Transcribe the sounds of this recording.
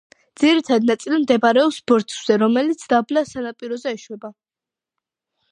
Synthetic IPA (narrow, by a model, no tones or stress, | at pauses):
d̪ziɾit̪ʰad̪nat̪sʼilimd̪ɛbaɾɛɔpsbɔɾt̪ʰʼz̥ɛɾɔmɛlit̪sʰd̪ablasanapʼiɾɔzɛɛʃwɛba